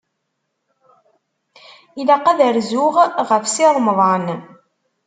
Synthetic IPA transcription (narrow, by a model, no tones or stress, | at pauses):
ilaqæðəɾzʊʁʁəfsiɾˤmðˤɑn